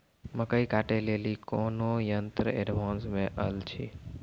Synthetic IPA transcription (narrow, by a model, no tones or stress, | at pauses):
məkəikaʈelelikoːnojənt̪ɾəeɖʋãːnsmẽʔəlt͡ʃʰi